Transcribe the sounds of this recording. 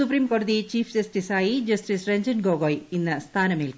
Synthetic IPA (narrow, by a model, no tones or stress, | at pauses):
supɾiːmkoːrɨd̪it͡ɕiːfd͡ʑɐsʈisaːjid͡ʑɐsʈisreɲd͡ʑɐnɡoːɡoːjinːɨst̪ʰaːnɐmelk